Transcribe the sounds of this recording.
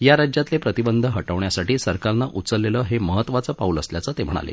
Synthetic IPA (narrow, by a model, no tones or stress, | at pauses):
jaɾad͡ʑjat̪lepɾət̪ibənd̪ʱəɦəʈəʋɳjasaʈiːsəɾkaɾnaʔut̪t͡səlːeləːɦeməɦət̪ːʋat͡səːpauːləsljat͡sət̪em̤əɽ̃a̰lḛ